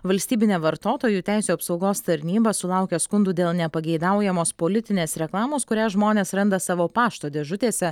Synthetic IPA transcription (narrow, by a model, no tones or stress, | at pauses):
ʋɐlʲst̪ʲiːbʲɪnʲɛʋɐɾt̪oːt̪oːjuːt̪ʲɛˑɪsʲuːɐpsɒʊɡoːst̪ɐɾʲnʲiːbɐsʊlˠɑˑʊkʲɛskʊnd̪uːd̪ʲeːlˠnʲɛpɐɡʲɛɪd̪ɑˑʊjɛmoːspoːlʲɪt̪ʲɪnʲeːsɾʲɛklˠɑːmoːskʊɾʲæːʒmoːnʲeːsɾɐnd̪ɐsɑːʋoːpɑːʃt̪oːd̪ʲeːʒʊt̪ʲeːsʲɛ